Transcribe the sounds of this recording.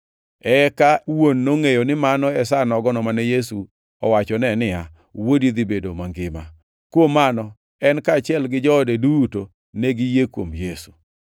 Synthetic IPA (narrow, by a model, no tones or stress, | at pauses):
ɛkawonːoŋejonɪmanɔɛsanɔɡɔnɔmanɛjesu | ɔwat͡ʃɔnɛnɪa | wodid̪ibedo̰maŋɡɪma̰ | kwomanɔ | ɛnkaːt͡ʃɪɛlɡɪd͡ʒɔːdeduto | neɡɪjekwomjesu̥